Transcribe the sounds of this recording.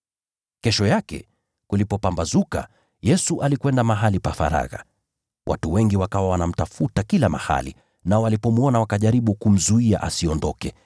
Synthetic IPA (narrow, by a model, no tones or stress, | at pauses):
kɛʃɔjakɛ̰ | kulipɔpambazuka̰ | jɛsuʔalikwɛndamaɦalipafa̰ɾa̰ɣa | wʔa̰tuwɛŋɡiwakawawanam̩tafutakilama̰ha̰lḭ | naɔalipɔmuɔnawakaʄaɾiɓukum̩zuia̰ʔasiɔndɔkɛ